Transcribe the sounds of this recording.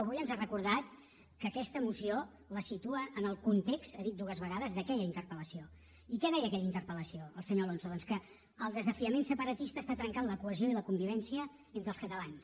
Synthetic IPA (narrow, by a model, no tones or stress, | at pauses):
əβ̞ujənzarəkuɾðat̪ | kəːkɛst̪əmusio | ləsit̪uəʔːnəlˠkunt̪ekst̪əðit̪̚d̪uɣəzβəɣaðəzðəkɛʎəint̪ərpələsio | ikɛðɛjəːkɛʎəint̪əɾpələsioəlˠsəɲolonsoðɔnskəː | lˠd̪əzəfiəmensəpəɾət̪ist̪əːst̪at̪ɾəŋkanləkuəzioiləkumbiβ̞ɛnsiə | ent̪ɾəlˠskət̪əlans